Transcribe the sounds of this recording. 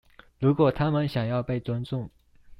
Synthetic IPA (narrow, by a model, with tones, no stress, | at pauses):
ɻu˧˥kwɔ˨˩t̪ʰa˥mə˨nɕjɑ˨˩ŋjɑ˥˧ʊpe˥˩ɪt͡swa˥nt͡sʊ˥˩ŋ